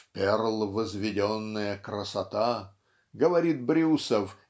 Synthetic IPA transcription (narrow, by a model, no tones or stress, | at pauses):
pʲɛrlˠvəzvʲɪdʲonːəjəkɾəsɐt̪a | ɡəvɐɾʲit̪̚bɾʲusəf